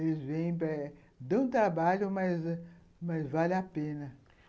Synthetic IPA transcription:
elɪzvẽj̃pɐ | d̪ɐ̃w̃t̪ɾabaʎʊmɐz | mɐzvalɪapẽnɐ

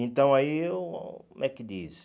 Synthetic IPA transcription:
ẽnt̪ɐ̃w̃aiewmʔɛkɪd̪ḭs

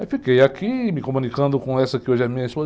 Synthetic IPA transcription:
fikejakimɪkomũnikɐ̃nd̪ʊkõɛsɐkɪoʒamĩɲɐsuɐ

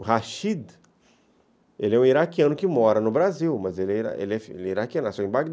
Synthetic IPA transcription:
ɦaʃid̪ | elɪɛũiɾakiɐ̃nʊkɪmɔɾɐnʊbɾaziwmɐzelɪɛiɾa̰ḛlɪɛfḛlɛiɾakiɐ̃nɐsuɐĩbaɡd̪

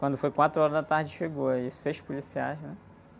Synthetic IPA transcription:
wɐ̃nd̪ʊfojkwat̪ɾʊɔɾɐzdat̪aɾd͡ʒɪʃeɡoaisejʃpulisia̰jznɛ

